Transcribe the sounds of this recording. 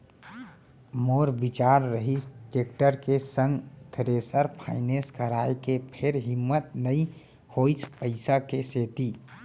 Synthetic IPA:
moɾbit͡ʃaːɾɾəɦit͡ʃʈek̚ʈəɾkesə̃ŋɡt̪ʰɾesəɾpʰaɪnẽskəɾaːekepʰɪɾɦɪmːət̪nəĩ | hoit͡ʃʰpəɪsakeseːt̪i

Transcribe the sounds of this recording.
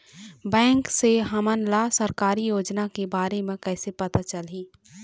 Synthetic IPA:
bɛ̃ːŋkseɦəmənlasəɾkaːɾijoːd͡ʒnakebaːɾemẽkɛːsepɐt̪at͡ʃəliː

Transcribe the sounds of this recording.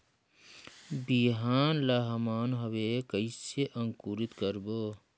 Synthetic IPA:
biɦaːnlaːɦɐmaːnɦɐwekəiseʔɐŋkuːɾit̪kəɾboː

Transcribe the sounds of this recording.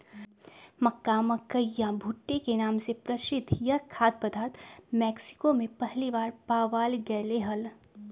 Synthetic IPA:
mɐkːaːməkːəjːãbʱʊʈːekenaːmsepɾɐʃɪd̪ʱjəkʰaːt̪̚pəd̪ʱaːɾt̪mɛːksɪ̥komẽpɐɦliʋaːɾpaːʋaːlɡɐːleɦɐl

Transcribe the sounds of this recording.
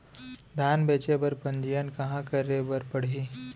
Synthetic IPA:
d̪ʱaːnbeːt͡ʃebɐɾpɐ̃nd͡ʒijənkɐɦãkɐɾebɐɾpɐɽ̤iː

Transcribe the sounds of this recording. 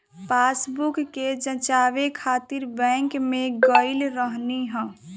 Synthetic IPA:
paːsbukːed͡ʒə̃t͡ʃaːʋekʰaːt̪ɪɾbɛ̃ŋkmẽɡəɪlɾəɦniɦɛ̃ː

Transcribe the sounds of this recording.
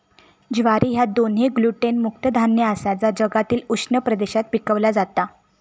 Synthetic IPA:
d͡ʑʋaɾiːɦjad̪onɦeɡluʈenmuk̚t̪əd̪ʱanjəəsad͡zad͡ʑəɡat̪iːluʂnəpɾəd̪eɕat̪pikəʋlad͡zat̪a

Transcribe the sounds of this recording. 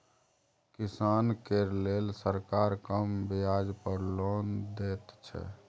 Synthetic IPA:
kisankeɾlelsəɾkaɾkəmbiad͡ʒpəɾlɔnd̪et̪t͡ʃʰɛ̰

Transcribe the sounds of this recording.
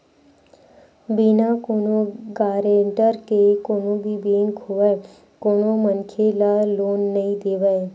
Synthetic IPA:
biːnaːkoːnoːɡaːɾeɳʈəɾkekoːnõːbʱiːbeːŋkoːʋɛː | koːnõːmənkʰelaːloːnːəĩːd̪eːʋɛː

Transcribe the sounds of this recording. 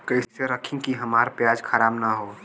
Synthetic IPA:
kəɪseɾəkʰɪ̃ŋkiɦɐmaːɾpjaːd͡ʒkʰaɾaːbnaɦoː

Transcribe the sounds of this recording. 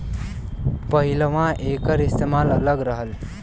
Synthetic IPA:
pəɦiləʋãʔekəɾist̪emalələɡɾəɦəl

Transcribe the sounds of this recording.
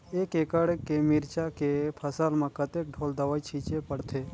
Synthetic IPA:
eːkekəɽekemiɾt͡ʃakepʰəsəlmãkət̪ek̚ɖʱoːld̪əʋait͡ʃʰiːt͡ʃepəɽt̪ʰe

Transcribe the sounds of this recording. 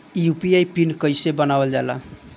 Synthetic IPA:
jupiajpinkəjsebənabəld͡ʒala̰

